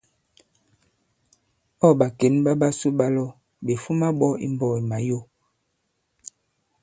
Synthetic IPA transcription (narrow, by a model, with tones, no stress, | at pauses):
ɔ˦˨ɓa˨ke˨˦nba˦ɓa˦su˦ɓa˦lɔ˦ | be˨fu˦ma˦ɓɔ˦ḭ˦m˦bɔ˦˨i˨ma˨jo˦˨